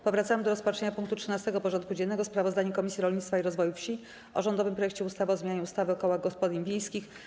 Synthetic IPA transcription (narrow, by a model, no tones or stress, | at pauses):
pɔvɾat̪samɘd̪ɔɾɔspat͡ʂɛɲapuŋk̚t̪utʂɘnast̪ɛɡɔpɔʐɔnt̪kud͡ʑɛnːɛɡɔspɾavɔzd̪aɲukɔmʲisʲjiɾɔlɲit̪t̪faiɾɔzvɔjufɕi | ɔ̰ʐɔnd̪ɔvɘmpɾɔjɛkt͡ɕɛust̪avɔzmʲejaɲuust̪avɘɔkɔwaɡɔspɔd̪imvʲjejskʲix